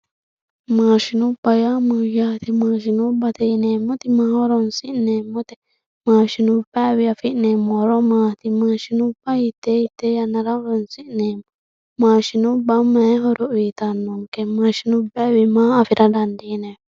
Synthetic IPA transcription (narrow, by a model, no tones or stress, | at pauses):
mãːʃinũbajamɨjat̪imãʃ̬inubat̪einemːot̪imãhaɾonsiʔnemːot̪e | mãːʃinũbæβiafiʔnemoɾomãːt̪imaʃinũbait̪eit̪ejanaɾaɾonsiʔnemo | mãʃinũbamaeɦoɾoʔwit̪anːoŋkemãʃinũbɛwimãːfiɾadandine